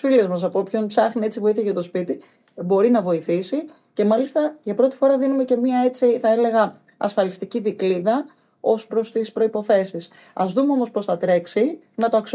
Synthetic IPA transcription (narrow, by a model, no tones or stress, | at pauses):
filezmɐs̬ɐpo̞pço̞mpsɐxnie̞t͡sivuiθeʝɐt̪o̞spit̪i | bo̞ɾinɐvo̞iθisi | ce̞mɐlist̪ɐʝɐpɾo̞t̪i̥fo̞ɾɐðinume̞ce̞miɐe̞t͡siθɐe̞le̞ɣɐ | ɐ̰sfɐlist̪iciðikliðɐ | o̞spɾo̞st̪ispɾo̞ipo̞θe̞sis | ɐ̰zðumeo̞mospo̞sθɐt̪ɾe̞ksi | nɐt̪oɐks